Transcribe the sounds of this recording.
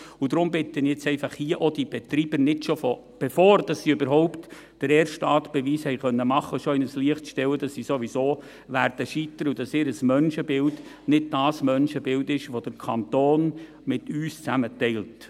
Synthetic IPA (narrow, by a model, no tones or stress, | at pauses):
ʊd̥ɾʊmbɪt̪ənjɛt͡sɛɪfɑχhiːəʔod̥ib̥ɛt̪ɾiːb̥ənɪdʃofɔ | b̥efoːɾd̥ɑsːiøbəɾɦɔʊpt | d̥əɾɛːrʃtɑːtb̥ɛʋiːshɛɪjχœnːəmɑχːəʃɔɪnəsliəχtʃtɛwədɑsːisoʋisoː | ʋæɾd̥əʃit̪əɾud̥ɑsɪːɾəsmœnʃəbɪld | nɪd̚d̥ɑːsmœnʃəbɪldɪʃʋod̥əɾkʰɑntoːn | mɪtyːst͡sæmətɛɪlt